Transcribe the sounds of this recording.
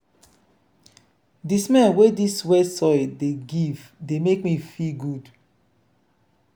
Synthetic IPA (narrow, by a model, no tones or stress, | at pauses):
dismɛ̃nwediswɛsɔɪdeɡivdemekmifilɡud